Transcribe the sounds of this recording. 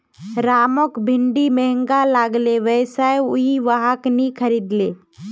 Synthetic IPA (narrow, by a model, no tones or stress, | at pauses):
ɾaːmokbʱɪɳɖimɛɦə̃ŋɡalaːɡleʋɛːsajʊiʋaɦaknĩkʰəɾiːd̪leː